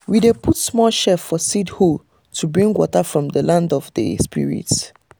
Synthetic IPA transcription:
widepʰutsmɔlʃɛfɔsidho | tʰubɹĩŋɡwɔ̰tafɹɔ̃mdəlãndɔvdə̰spḭɹḭt

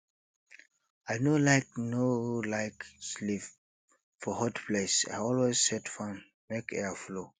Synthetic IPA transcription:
aɪnolaɪk̚nolaɪkslif | fɔhɔtplesa̰ɪɔlwezsɛtfãn | mekʰɛaflo

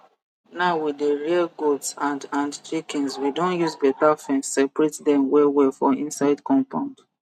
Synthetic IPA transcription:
naʊwideɹiaɡodsãndãndt͡ʃikĩnswidõnjuzbɛtafɛ̃nssɛpɹetdɛ̃mwɛwɛfɔĩnsaɪdkɔ̃mpãʊ̃nd

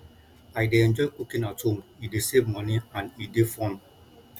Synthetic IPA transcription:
aɪden̩d͡ʒɔkʷukinatʊm̩idesebmɔnianidefɔn

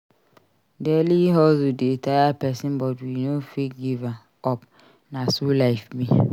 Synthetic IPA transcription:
dɛliɦɔzʊdetʰaapʰɛsɪ̃mbɔduinũfiɡiva | ɔp | nãsulaɪfbĩ

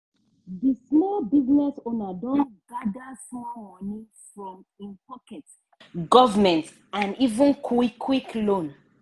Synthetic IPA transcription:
dismɔlbiznɛsonadɔ̃nɡadasɔ̃mːɔnĩ | fɹɔ̃m | ĩnpɔkɛt | ɡɔvamɛ̃nt | ãnivũnkʰikʰːwiklõn

